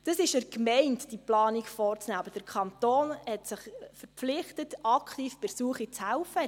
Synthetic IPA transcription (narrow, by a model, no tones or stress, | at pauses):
d̥əsɪʃəɾkmɛɪntd̥iplɑːniɡfɔːrt͡snæːɑbəd̥əɾkʰɑntoːnhɛtsɪχfəɾflɪχtətɑkχtiːfb̥əɾsuəχit͡shɛlfə